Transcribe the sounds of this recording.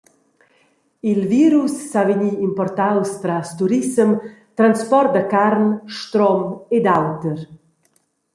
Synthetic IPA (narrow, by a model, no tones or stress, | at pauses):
ilviːɾusːaveɲiːmpɔrt̪awst̪ɾast̪uɾisəmt̪ɾanspɔrt̪̚d̪əkaɾnʃt̪ɾɔmed̪awt̪əɾ